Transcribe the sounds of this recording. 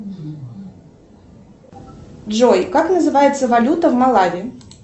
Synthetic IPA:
dʐojkaknəzɨvajɪt̪səvɐlʲut̪əvmɐlˠavʲɪ

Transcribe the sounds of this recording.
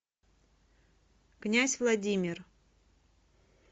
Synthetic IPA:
knʲæsʲvlˠɐdʲimʲɪr

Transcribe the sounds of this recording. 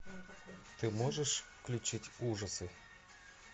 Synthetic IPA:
t̪ɨmoʐəʂ | klʲut͡ɕitʲuʐəsɨ

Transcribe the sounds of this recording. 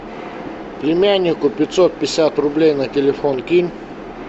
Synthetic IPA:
plʲɪmʲænʲːɪkʊpʲɪt̪ʲsot̪̚pʲɪsʲat̪rʊblʲejnɐtʲɪlʲɪfonkʲinʲ

